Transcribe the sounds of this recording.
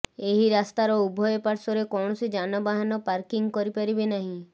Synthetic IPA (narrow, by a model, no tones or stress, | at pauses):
eɦiɾast̪aɾɔubʱɔjɔpaɾsɔɾekɔɳ̃ɔsid͡ʒanɔbaɦanɔpaɾkiŋɡkɔɾipaɾibenaɦĩ